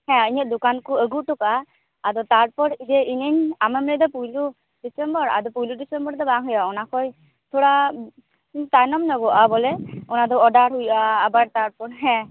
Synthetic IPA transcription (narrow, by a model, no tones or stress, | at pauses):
hɛ̃iɲəʔ̚d̪ukankɔəɡuʈɔkaː | d̪ɔt̪aɽpɔɾid̪ɛiɲeɲamɛmlɛd̪ɔpujlu | ɖisɛmbɔɾa̰d̪ɔpujluɖisɛmbɔɾd̪ɔbaŋɦɔjaɔnakʰɔj | t̪ʰoɽa | t̪ajnɔmnɔɡɔʔabɔlɛɔnad̪ɔɔɖaɽɦujʔaːbaɾt̪aɽpɔɽɦɛ̃